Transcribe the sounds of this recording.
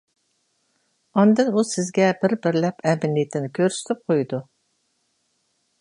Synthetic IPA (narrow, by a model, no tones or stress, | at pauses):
ɑnd̪ɨnusɪzɡʲɛbɪɾbɪɾlɛpɛmɪnijt̪ʰɪnɪkʲʰøɾsy̥t̪ʰɪp̚qʰojd̪u